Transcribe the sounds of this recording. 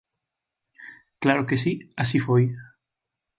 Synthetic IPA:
klaɾokes̬iasifoj

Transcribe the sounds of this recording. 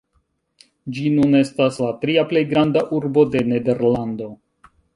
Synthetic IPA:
d͡ʒinune̞staslatɾiaple̞jɡɾandaʔuɾbo̞de̞ne̞de̞ɾlando̞

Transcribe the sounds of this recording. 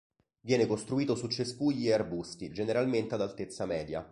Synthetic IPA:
vjɛːnekost̪ɾuiːt̪osut͡ʃːeskuʎiearbust̪id͡ʒeneɾalment̪ead̪alt̪et̪sːamɛːd̪ja̰

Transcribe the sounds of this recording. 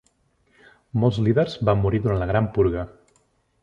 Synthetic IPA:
molˠzliðərzbamːuɾiðuɾant̪ləɣɾampuɾɣə

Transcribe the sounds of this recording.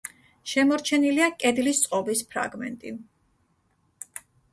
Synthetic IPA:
ʃɛmɔɾt͡ʃʰɛniliakʼɛd̪list̪sʼqʼɔbispʰɾa̰ɡmɛ̰nt̪ʼḭ

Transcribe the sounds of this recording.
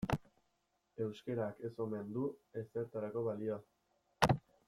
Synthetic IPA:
e̞wske̞ɾake̞so̞me̞nd̪ue̞se̞ɾt̪aɾako̞βalioa

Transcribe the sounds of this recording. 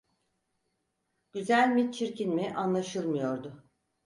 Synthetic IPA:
ɟ̥yzælʲmit͡ʃʰiɾcʰinmiʔanlˠaʃɯlˠmɯjo̞ɾd̪ʊ

